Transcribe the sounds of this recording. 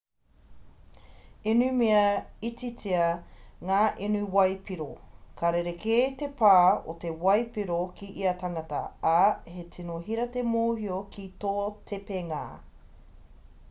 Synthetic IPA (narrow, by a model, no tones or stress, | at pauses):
enʉmeɐit͡sit͡siɐŋaːʔenuwɐjpiɾokʰaɾeɾekʰetepaːo̰tewɐjpiɾokʰiʔiɐtɐŋɐtɐ̰ahetʰinoɦiɾɐt̪emoːhiokitoːtʰepeŋa̰ː